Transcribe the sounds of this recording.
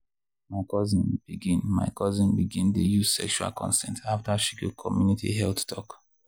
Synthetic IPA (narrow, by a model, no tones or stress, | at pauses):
maɪkʰɔzĩnb̥iɡĩnma̰ɪkʰɔzĩnbiɡĩntujuz̥sɛ̰kʃua̰lkʰɔ̰̃nsɛ̰̃ntʰaftaʃikukʰɔmjunitʰḭɦɛlθtʰɔk